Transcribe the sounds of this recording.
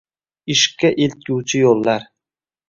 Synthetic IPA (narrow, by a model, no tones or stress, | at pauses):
ɪʃkʲːaʔelt̪̚ɡʲuwt͡ʃʰɪjolˠːaɾ